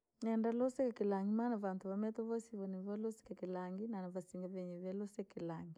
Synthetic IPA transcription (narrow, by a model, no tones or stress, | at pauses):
nɛndalɔsɛkakilaŋɡimanaβantuβamɛtɔβɔsiβɔniβɔlɔsi̥kakilaŋɡinanaβasiŋɡaβɛɲɛβɛlɔsɛkilaŋɡi